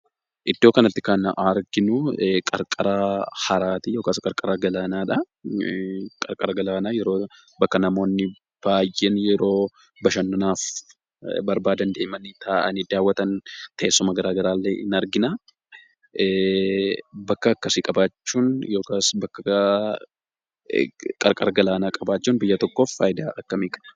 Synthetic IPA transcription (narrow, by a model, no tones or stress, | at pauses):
ʔɪd̪ːoːkɐnɐt̪ːɪkɐnɐɾɡɪnʊkʼɐɾkʼɐɾɐhɐɾaːt̪ijo̞ːkaːskʼɐɾkʼɐɾaɡɐlaːnaːᶑɐ | kʼɐ̰ɾkʼɐɾɐɡɐlaːnaːjɛɾoː | bɐkːɐnɐmo̞ːnːɪ | b̥aːjʔɛnjɛɾo̞ː | bɐʃɐnːɐnaːf | bɐɾbaːd̪ɐnd̪e̞ːmɐnt̪aːʔɐ̰nid̪aːwːɐt̪ɐnt̪ɐʔeːsːʊmɐɡɐɾaːɡɐɾaːlːɛɪ̰nɐɾɡɪnaː | bɐkːɐːkːɐsɪkʼɐbaːt͡ʃːuːnjo̞ːkaːsbɐkːɐ | kʼɐɾkʼɐɾɐɡɐlaːnaːkʼɐbaːt͡ʃːuːnbɪjːɐt̪ɔkːo̞ːfːaːjd̪aːɐkːɐmiːkʼɐ̥bɐ̥